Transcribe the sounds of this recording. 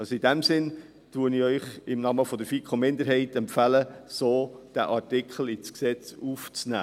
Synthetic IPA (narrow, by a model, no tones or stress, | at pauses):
ɑsidæmsɪn | tuəniœʏχɪmnɑməfɔd̪əɾfikʰomɪnd̪əɾɦɛɪtɛmpfæləsoːd̥æ̰ʔɑɾtɪkχl̩ɪt͡sksɛt͡suft͡snæ̰ː